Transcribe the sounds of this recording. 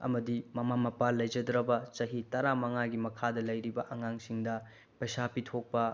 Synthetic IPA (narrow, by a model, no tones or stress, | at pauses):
ɐ̰mɐdimɐmamɐpalːɐjd͡ʒɐdɾɐbɐt͡ʃɐɦitɐɾamɐŋaɡimɐkʰadɐlɐjɾibɐʔɐŋaŋsiŋdɐ | pɐjsapitʰok̚pɐ